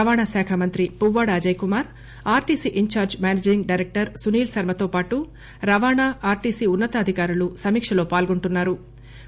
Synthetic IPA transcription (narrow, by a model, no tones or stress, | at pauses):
ɐʋaːɳaːsɛːkʰɐmɐnt̪ɾipuwːaːɽɐːd͡ʒɐjkumaːɾ | aːɾʈiːsiʔiɲt͡ʃaːɾd͡ʒmjaːned͡ʒɾiŋɡɖɐjɾek̚ʈɐɾsuniːlsɐɾmɐt̪o̞ːpaːʈu | ɾɐʋaːɳaːaːɾʈiːsiːunːɐt̪ɐːd̪ʱikaːɾulusɐmiːkʂɐlo̞ːpaːlɡoɳʈunːaːɾu